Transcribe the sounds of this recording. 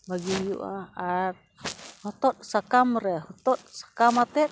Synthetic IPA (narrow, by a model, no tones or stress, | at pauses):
baɡijṵʔaat̚ | hɔt̪ɔt̪̚sakamɾɛɦɔt̪ɔt̪̚sḁkamat̪ɛt̪̚